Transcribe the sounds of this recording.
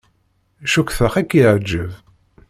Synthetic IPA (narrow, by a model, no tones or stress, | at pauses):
ʃukθəχækːiʕd͡ʒːəv